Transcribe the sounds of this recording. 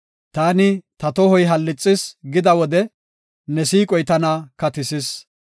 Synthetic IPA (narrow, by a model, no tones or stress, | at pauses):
t̪aːnɪt̪ɐt̪ɔhɔjɦɐlːɪt͡sʼːɪsɡɪd̪ɐwɔd̪ɛ | nɛsiːkʼɔjt̪ɐnaːkɐt̪ɪsɪs